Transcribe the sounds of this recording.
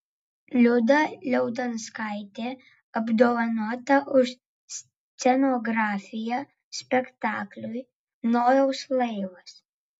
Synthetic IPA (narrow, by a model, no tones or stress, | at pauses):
lʲʊd̪ɐlʲɛʊd̪ɐnskaˑɪt̪ʲeː | ɐbd̪oːʋɐnuɔt̪ɐʔʊʃ | sʲ | t̪sʲɛnɔɡɾɑːfʲɪjɛ | sʲpʲɛkt̪ɑːklʲʊj | noːjɛʊslˠɐɪʋɐs